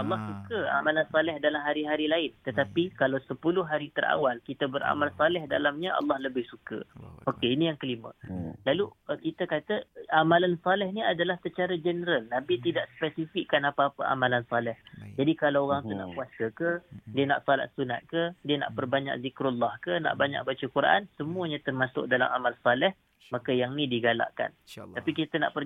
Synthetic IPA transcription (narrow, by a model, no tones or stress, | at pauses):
ɑlːɑhsukəa̰malansalɛhdalamɦaɾiɦaɾilaɪnt̪ət̪apikalawsəpulʊɦɦaɾit̪əra̰walkit̪əbəɾa̰malsalɛhdalamɲaʔɑ̰lːɑhləbɪhsukə̰okeinijaŋkəlimə̰̃lalukit̪əkat̪əamãlansalɛhniadalahsət͡ʃaɾad͡ʒənəɾalnabit̪idaʔspɛsifikːanapaːpaʔa̰malansalɛhd͡ʒadikalaoɾaŋt̪una̰ʔkuasəkədiəna̰ʔsala̰ʔsuna̰t̪̚kədiəna̰ʔpərbaɲa̰k̚zikɾulːɑhkəna̰ʔbaɲa̰k̚bat͡ʃəkuɾʔa̰nsəmuəɲat̪ərmasʊ̰k̚dalamamalsalɛh | makəjaŋnĩdiɡala̰ʔka̰napikit̪əna̰ʔpər